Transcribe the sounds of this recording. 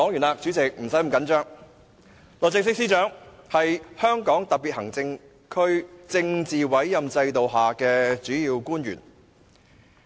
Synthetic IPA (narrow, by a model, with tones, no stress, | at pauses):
ɔː˨˥ŋjy˨˩naː˨˧k̚t͡ʃy˨˥t͡sɪ˨k̚m̩˨˩sɐ˨˥jm˨˩kɐ˨˥nt͡ʃœː˥ŋ | lɔː˨t͡sɪ˨˧ksɪ˥k̚siː˧˥t͡ʃœː˨˥ŋhɐ˨jhœː˥ŋkɔː˨˥ŋt̪ɐ˨k̚piː˨t̚hɐ˨˩ŋt͡sɪ˧ŋ | kʰɵ˥ɥt͡sɪ˧ŋt͡siː˨wɐ˨˥jːɐ˨mt͡sɐ˧jt̪o˨wɦaː˨˩kɛː˧t͡ʃyː˨˥jiː˧wkuː˥nɥy̰ː˨˩n